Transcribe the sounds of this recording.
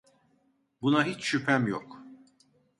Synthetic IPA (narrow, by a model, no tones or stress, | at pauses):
bunaɦit͡ʃʃypʰæmjok